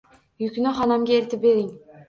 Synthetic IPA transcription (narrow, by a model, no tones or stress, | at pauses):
jykʲnæχɑnɑmɡʲeeɾt̪ɪp̚beɾiŋ